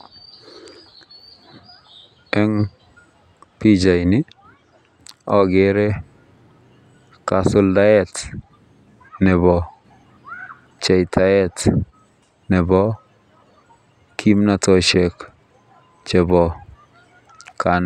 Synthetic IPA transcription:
ɛ˦ŋ | pi˦d͡ʒa˨jnɪ˦ | ɔ˦ɡeɾɛ˦ | ka˨sʊ˦lda˦ɛ˦t | nɛ˨bɔ˨ | t͡ʃɛ˨jtʰa˨ɛ˦t | nɛ˨bɔ˦ | kʰimnatɔʃɛ˨k | t͡ʃɛ˨bɔ˨ | kʰa˨n

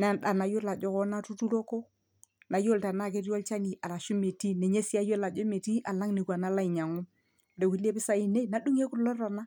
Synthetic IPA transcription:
na˦˨n˨ɗa˨na˨jo˦la˨d͡ʒɔ˦kɔ˦na˦tu˦tu˦ɾo˦ko˦ | na˨jo˦lta˨na˦˨ke˦ɾɔ˦lt͡ʃa˦ni˨ʔa˨la˨ʃu˦me˨ti˦ne˨ɲe˦si˦a˦jo˦la˨d͡ʒo˦me˨ti˦ʔa˨la˦ŋni˨kʷa˨na˦la˦i˨ɲa˨ŋu˦m | de˨wi˦le˦bɪ˦sa˦i˦ne˦na˨ɗu˦ŋe˦kʊ˦lɔ˦ta˨na˦

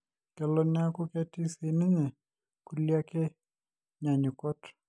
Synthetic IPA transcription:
kɛ˨lɔ˨n˦a˦ku˦kɛ˦ti˦si˨ni˦ɲɛ˨ | ku˦li˦a˦kɛ˦ | ɲa˨ɲi˨kɔ˦t

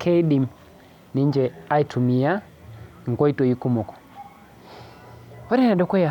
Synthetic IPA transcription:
kʰɛ˦i˦ɗi˨m | ni˦ɲd͡ʒɛ˨a˦i˨tʰu˨mi˨a˦ | ŋ̩˨ɡɔ˦i˦tɔ˨i˦ku˦mɔ˨kɔ̥˨ | ɔ˦ɾɛ˦na˨ɗɔ˦kwɔ˦ja˨

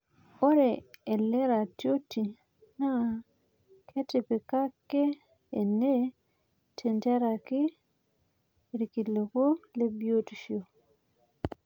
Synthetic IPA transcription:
o˦ɾɛː˨lɛ˦ɾa˨tjo˦ti˨ | na˦ | kʰɛ˦tɪ˨pe˨ka˦kːɛː˦˨ | ne˦ | tʰɛ˨nte˦ɾa˨kɪ˦ | ɾi˨ki˨lo˨ko˦le˦bjo˦ti˨ʃio˨

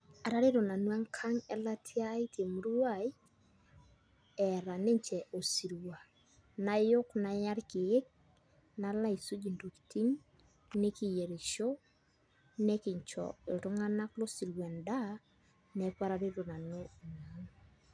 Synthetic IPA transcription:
a˨ɾa˦ɾe˦ɾo˨na˨nwa˦ŋkʰa˦ŋɛ˦la˦tʰɪ˦a˦i˦tʰe˨mu˦ɾu˦a˦˨i˦ | ɛ˨ɾa˨ne˦ɲt͡ʃɛ˨ʔo˨si˨ɾwa˨ | na˨jo˦kna˨ja˦ɾkɪ˨e˦k̚ | na˦la˦i˨su˦d͡ʒi˨ndo˨kti˦ɲ | ne˦ki˨je˨ɾi˨ʃo˦ | nɛ˦kɪ˨ɲt͡ʃɔ̰˨e˨to˦ŋa˦na˦klo˦si˨ɾwɛ˨nda˦ | nɛkwa˦ɾa˨ɾe˦ɾo˨na˨no˦˨na˨ŋ

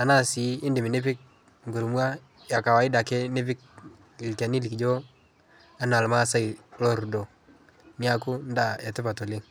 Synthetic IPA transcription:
a˨na˦si˨˦ɪ˦ndɪ˨mi˨nɪ˦pɪ˦k̚ | ŋɡu˨ɾmwa˦ | ja˨ka˨wa˨˦ɪ˦da˨ke˦nɪ˦pɪ˦k̚ | ɪ˨lka˨ni˦li˨kd͡ʒo˦ | a˦na˨lma˦a˦sa˦i˨lɔ˦ɾdɔ˨ | ni˦a˦kʊ˦nda˦˨ja˨tɪ˦pa˨to˨lɪ˦ŋ

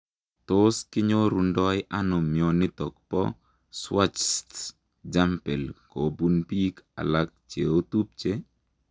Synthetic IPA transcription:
t̪oskɪ˦ɲo˦ɾu˨ndɔ˦jʔa˦nʊ˨mjɔnɪ˦t̪ɔ˨kpɔ̰˦ | swa˦t͡ʃst | d͡ʒa˦mpɛ˨lko˨bu˦npi˦ka̰˨lak̚t͡ʃe˨o˦t̪u˦p̚t͡ʃe˦

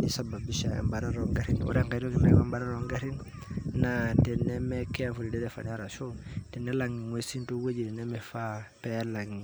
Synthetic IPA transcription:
i˨sa˨ba˨bi˦ʃa˨ḛ˨mba˨ɾa˦ɾo˨ŋɡa˦ɾi˦nṵ˦ɾe˦ŋka˨ɾo˦ki˨me˦ka˦mba˨ɾa˦ɾo˨ŋɡa˦ɾi˦n | na˨tɛ˨neme˦ke˦a˨fu˨li˨de˦de˦fa̰˨na˦ɾa˨ʃo˦te˨nːe˦la˨ŋi˨ŋwe˨si˦ntu˦we˦d͡ʒi˨de˨ne˦me˨fa˦pe˦la˨ŋi˨

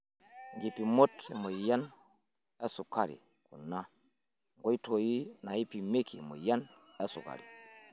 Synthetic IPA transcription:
ŋɡi˨pi˨mo˦tḛ˨mo˨ja˦n | a˦su˨ka˦˨ɾḭ˨ | ku˨na˦ | ŋɡo˦i˦to˨ji˦na˨i˦pi˨me˦ki˨mo̰˨ja˦n | a˦sṵ˨ka̰˨ɾḭ˨

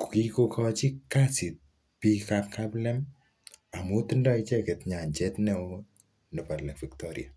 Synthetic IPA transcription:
ku̥˨ki˦kokʰɔt͡ʃi˦kasi˨t̚ | pi˦kakkablɛ˦m | a˨mu˦ti˦ndɔ˦it͡ʃɛ˦kɛ˨tɲa˨ɲt͡ʃɛtnɛ | nɛ˨pa˨ɾlɛ˨kfi˨ktɔɾḭa̰˨

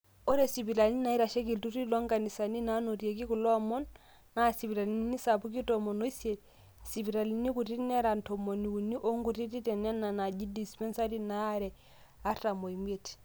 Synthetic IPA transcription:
o˦ɾe˨si˨bi˨ɾa˨li˦na˨i˦ɾa˨ʃɛ˦k̬i˨ltu˦ɾi˦lɔ˦ŋɡa˨ni˨sa˨ni˦na˦no˨rje˨ki˦ku˨lɔ˦mɔ˦nː | a˦˨si˨pi˨ɾa˨li˨˦ni˦sa˨pu˦ki˦tɔ˨mo˨no˦i˦sje˨ | si˨pi˨ɾa˨li˨ni˦ku˨ti˦nɛ˦ɾa˨ntɔ˨mo˨ni˨u˨ni˦ʔo˦ŋɡu˨ti˦ti˦tɛ˨na˦na˨na˨d͡ʒi˦di˨spɛ˦nsa˦ɾi˦na˨˦ɾɛ˨ | a˦ta˨mo˨i˨m˦e˦t

